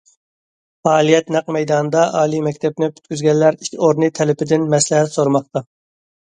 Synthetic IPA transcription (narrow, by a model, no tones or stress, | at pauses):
fɑːlˠijɛt̪næqmɛjd̪ɑnɨd̪ɑʔɑːlˠimɛkʲt̪ʰɛp̚nɪpʰy̥t̪kʲyzɡʲɛnlːæɾikʲʰoɾnɨt̪ʰɛlɪpɪd̪ɪnmɛslɪɦɛt̪soɾmɑq̚t̪ɑ